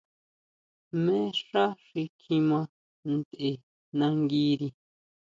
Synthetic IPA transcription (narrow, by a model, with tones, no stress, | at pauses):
mẽ˦ʂa˦ʂi˧kʰĩ˧mã˧ | nd̪e˨ | nã˧ŋɡi˦ɾi˧